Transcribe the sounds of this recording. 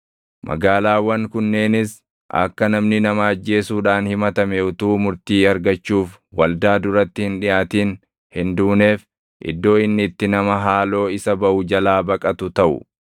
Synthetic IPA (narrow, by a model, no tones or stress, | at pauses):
mʔɐ̰ɡaːlaːwɐŋkʊnːe̞ːnɪs | ʔɐ̰kːɐnɐmnɪnɐmaːɐd͡ʒːe̞ːsuːᶑaːnhɪmɐt̪ɐmeʊt̪uːmʊɾt̪iːɐɾɡɐt͡ʃːuːfwɐld̪aːd̪ʊɾɐt̪ːɪhɪnᶑɪjaːt̪iːn | hɪnd̪uːne̞ːf | ʔɪ̰d̪ːo̞ːɪnːɪt̪ːɪnɐmɐɦaːlo̞ːɪsɐbɐʔʊd͡ʒɐlaːbɐkʼɐt̪ʊt̪ɐʔʊ̰